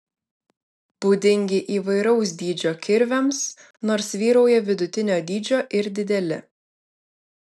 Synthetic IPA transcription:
b̥uːd̪ʲɪŋʲɡʲɪʔiːʋɐɪɾɒʊs̬d̪ʲiːd͡ʒʲoːkʲɪɾʲʋʲɛms | noːɾsʋʲiːɾɒʊjɛʋʲɪd̪ʊt̪ʲɪnʲoːd̪ʲiːd͡ʒʲoːʔɪɾd̪ʲɪd̪ʲɛlʲɪ̰

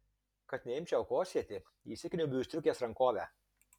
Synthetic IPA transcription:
kɐt̪nʲɛɪmʲt͡ʃʲɛʊkoːsʲiɛt̪ʲɪ | iːsʲɪkʲnʲubʲuːsʲt̪ɾʲʊkʲeːsɾɐŋkoːʋʲæ̰

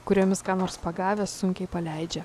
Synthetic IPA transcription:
kʊɾʲiɔmʲɪskɑːnoːɾspɐɡɑːʋʲeːsʊŋʲkʲɛɪpɐlʲɛɪd͡ʒʲɛ

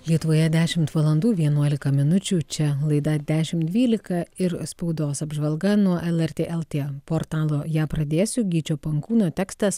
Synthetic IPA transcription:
lʲiɛt̪ʊʋoːjɛd̪ʲæːʃʲɪmt̪ʋɐlˠɐnd̪uːʋʲiɛnuɔlʲɪkɐmʲɪnʊt͡ʃʲuːt͡ʃʲɛlˠɐɪd̪ɐd̪ʲæːʃʲɪmt̪d̪ʲʋʲiːlʲɪkɐɪɾspɐʊd̪oːsɐbʒʋɐlˠɡɐnuɔʔɛlˠɛɾʲt̪ʲeːʔɛlˠt̪ʲeːpoːɾt̪ɑːlˠoːjæːpɾɐd̪ʲeːsʲʊɡʲiːt͡ʃʲoːpɐŋkuːnoːt̪ʲæːkst̪ɐs

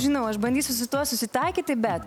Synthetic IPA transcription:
ʒʲɪnɐʊɐʃbɐnʲd̪ʲiːsʲʊsʲʊt̪uɔsʊsʲɪt̪ɐɪkʲiːt̪ʲɪbʲɛt̪

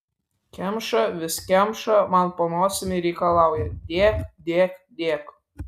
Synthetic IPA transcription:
kʲæmʃə̆βɘ̆skʲæmʃə̆mɑnponosʲəmʲeɾʲekɑlˠɑwjɘd̪ʲekd̪ʲekd̪ʲek

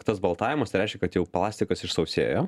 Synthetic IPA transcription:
t̪ɐsbɐlˠt̪ɑːʋʲɪmɐsɾʲɛɪʃʲkʲɛkɐt̪jɛʊplˠɑːsʲt̪ʲɪkɐsɪʃsɐʊsʲḛːjoː

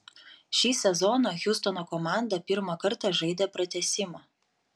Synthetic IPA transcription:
ʃʲiːsʲɛzɔnoːxʲʊst̪ɔnoːkɔmɑˑnd̪ɐpʲɪɾmɐkɐɾt̪ɑʒɐɪd̪ʲɛpɾɐt̪ʲɛsʲɪmɐː

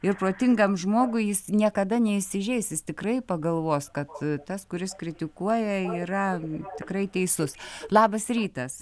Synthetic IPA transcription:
ɪrproːt̪ʲɪŋɡɐmʒmoːɡʊɪjɪsnʲiɛkɐd̪ɐnʲɛɪʃʲsʲɪʒʲɛɪsjɪst̪ʲɪkrɐɪpɐɡɐlˠʋoːskɐt̪t̪ɐskʊɾʲɪskɾʲɪt̪ʲɪkuɔjɛiːrɐt̪ʲɪkɾɐɪt̪ʲɛɪsʊslˠɑːbɐsrʲiːt̪ɐs

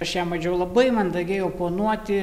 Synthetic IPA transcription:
ɐʃjæːmɐd͡ʒʲɛʊlˠɐbɐɪmɐnd̪ɐɡʲeːjɛʊpoːnuɔt̪ʲɪ

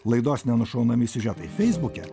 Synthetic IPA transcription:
lˠɐɪd̪oːsnʲɛnʊʃɐʊnɐmʲɪsʲɪʒʲɛt̪ɐɪfʲɛɪzbʊkʲɛ

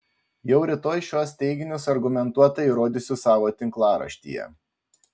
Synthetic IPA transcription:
jɛʊɾʲɪt̪oːjʃʲuɔst̪ʲɛɪɡʲɪnʲʊsɐɾɡʊmʲɛnt̪uɔt̪ɐiːɾoːd̪ʲʊsʲʊsɑːʋoːt̪ʲɪŋklˠɑːɾɐ̰ʃʲt̪ʲḭːjɛ̰

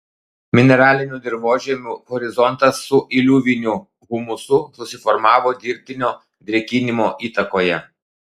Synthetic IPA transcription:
mʲɪnʲɛɾɑːlʲɪnʲuːd̪ʲɪɾʋoːʒʲɛmʲuɣɔɾʲɪzɔnt̪ɐsːʊʔɪlʲuːʋʲɪnʲʊ | ɣʊmʊsʊsʊsʲɪfɔɾmɑːʋoːd̪ʲiːɾʲp̚ʲt̪ʲɪnʲoː | d̪ʲɾʲɛkʲɪnʲɪmoːʔiːt̪ɐkoːjɛ

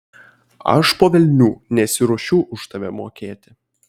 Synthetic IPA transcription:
ɐ̰ʃpoːʋʲɛlʲnʲuːnʲɛsʲɪɾoɔʃʲuʊʔʊʃt̪ɐʋʲɛmoːkʲeːt̪ʲɪ

